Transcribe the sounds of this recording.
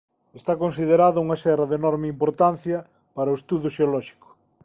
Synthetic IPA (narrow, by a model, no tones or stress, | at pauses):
est̪akonsiðeɾaðɐuŋɐʃɛrɐðenɔɾmɪimpoɾt̪an̟θjɐ | paɾɐoʊest̪uðʊʃeolɔʃi̥kʊ̥